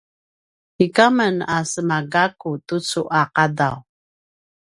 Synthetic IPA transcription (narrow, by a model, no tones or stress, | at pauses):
ikamənasəmaɡakutut͡suʔaqadaw